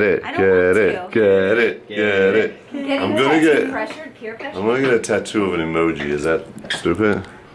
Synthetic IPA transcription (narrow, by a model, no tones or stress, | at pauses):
ɾɪt̚ɡ̥ɛɾɪt̚ɡ̥ɛɾɪt̚ɡ̥ɛɾɪt̚ | ãɪ̃mɡʌnɨɡɛt | ãɪ̃mɡʌnəɡɛɾɨtʰætʰuəvə̃nɪmoʊd͡ʒḭɪzðæt̚stʉpɪd̥